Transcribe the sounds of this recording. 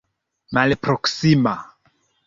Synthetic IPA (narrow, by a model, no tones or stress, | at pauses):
malepɾɔksima